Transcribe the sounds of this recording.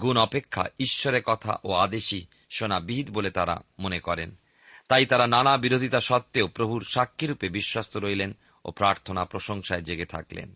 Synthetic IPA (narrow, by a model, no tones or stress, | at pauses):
ɡunɔpekʰːa̰iʃːoɾekɔt̪ʰa̰ʔoad̪eʃi | ʃonabiɦid̪bolet̪aɾa̰monekɔɾḛn | t̪ajt̪aɾananabiɾod̪ʱit̪aʃɔt̪ːeopɾobʱuɾʃakʰːiɾupebiʃwast̪ʰoɾojlen | o̰pɾaɾt̪ʰonapɾoʃoŋʃaed͡ʑeɡet̪ʰa̰klḛn